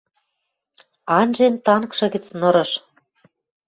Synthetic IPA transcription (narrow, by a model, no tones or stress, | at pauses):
ɑnʲʒent̪ɑnkʃɤ̆ɣɘ̆t͡snŏɾɤ̆ʃ